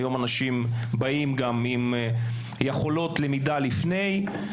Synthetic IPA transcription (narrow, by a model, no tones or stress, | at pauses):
jo̞manaʃimbaimɡamim | jeχo̞lo̞tle̞midalifne̞j